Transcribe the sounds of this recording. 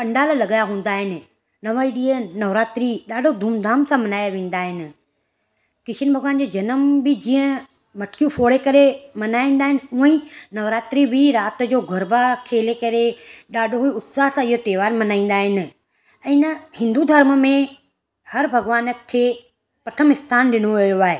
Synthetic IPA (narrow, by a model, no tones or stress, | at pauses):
pɐ̃ɳɖaːllɐɠajaɦũːn̆d̪aːɦɪnɪ̆ | nɐʋaːiɗiːə̃nɐʋɾaːt̪ɾiɗaːɖʱod̪ʱuːmd̪ʱaːmsãmɐnaːjaʋẽːn̆d̪aːɦɪnɪ̆ | kɪʃʰənbʱɐɡʋaːnd͡ʑoːd͡ʑɐnəmbɪd͡ʑĩːə̃ | mɐʈkijũfoːɽekɐɾemɐnaːĩːnd̪aːɦɪnɪ̆uːə̃ĩnɐʋɾaːt̪ɾibʱiɾaːt̪̆d͡ʑoːɡʱɐɾbakʰeːlekɐɾeɗaːɖʱoɦiʊt̪saːɦsãɪɦot̪eːʋaːɾmɐnaːĩn̆d̪aːɦɪnɪ̆ | ɛ̃ːnɐhɪ̃nd̪ud̪ʱɐɾmə̆mẽ | hɐɾbʱɐɡʋaːnəkʰeː | pɾɐt̪ʰəmɪst̪ʰaːnɗɪnoʋɐjoaːɦeː